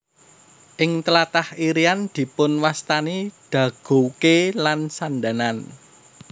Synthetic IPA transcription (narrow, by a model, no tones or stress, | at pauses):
ʔɪŋt̪əlat̪ahiɾiand̪̥i̤pʊnwast̪aniɖ̪̥ä̤ɡ̥o̤wkelansand̪a̤nan